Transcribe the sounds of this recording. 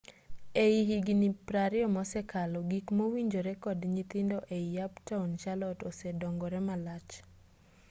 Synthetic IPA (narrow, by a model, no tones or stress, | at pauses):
eiɦiɡinipɾaɾɪɔmɔsɛkalɔɡikmowiɲd͡ʒoɾɛkɔdɲit̪ɪndɔʔeijaptaunt͡ʃalɔtɔsɛdɔŋɡɔɾɛmalat͡ʃ